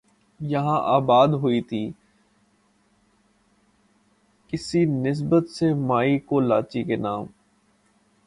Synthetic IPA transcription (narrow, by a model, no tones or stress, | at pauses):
jɐɦãʔaːbaːd̪ɦʊit̪ʰiː | kɪsinɪs̬bət̪semaːikoːlaːt͡ʃikenaːm